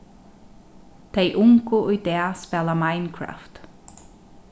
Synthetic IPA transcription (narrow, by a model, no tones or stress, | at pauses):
t̪ʰejʔʊŋkʊʊjd̪ɛːspɛlamaɪnkʰɹa̰ft̪